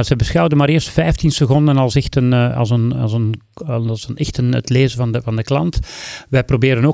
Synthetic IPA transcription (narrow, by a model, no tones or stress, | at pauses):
azɛjbəsxɑwdənmaːɾɪːrstfɛjftinsəɣɔndənɑlˠsɛxtənɑ̰lˠzənɑ̰zən | zənɛxtənə̰tleːzənvɑnəvɑndəklɑntʋɛjprobɪːɾənoː